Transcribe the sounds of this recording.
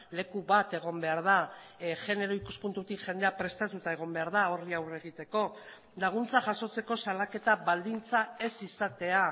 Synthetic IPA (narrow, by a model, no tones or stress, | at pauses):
le̞kuβat̪e̞ɣ̞o̞mbe̞aɾð̞aʝe̞ne̞ɾo̞ikuspunt̪ut̪ikʝe̞nd̪e̞apɾe̞st̪at̪ut̪ae̞ɣ̞o̞mbe̞aɾðao̞riawre̞ɣ̞it̪e̞ko̞ | laɣ̞unt͡saʝaso̞t͡se̞ko̞salake̞t̪aβald̪int͡sae̞sisat̪e̞a